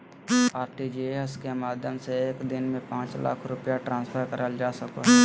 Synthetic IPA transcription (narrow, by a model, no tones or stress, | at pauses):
aːɾʈid͡ʒieskemaːd̪ʱjəmseeːkd̪ɪnmẽpãːt͡ʃla̰ːkʰɾʊpjaʈɾãːnspʰəɾkəɾəld͡ʒaːsɐkoɦɛː